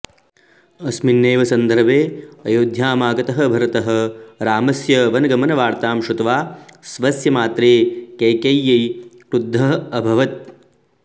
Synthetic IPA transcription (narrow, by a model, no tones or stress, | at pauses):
ɐsminːeːʋɐsɐnd̪ʱɐɾbʱeːɐjoːd̪ʱjaːmaːɡɐt̪ɐɦɐ̆bʱɐɾɐt̪ɐɦɐ̆ɾaːmɐsjɐʋɐnɐɡɐmɐnɐʋaːɾt̪aːmʃut̪ɐʋaːsʋɐsjɐmaːt̪ɾeːkeːkɐjːɐj | ʈud̪ʱːɐɐbʱɐʋɐt̪̚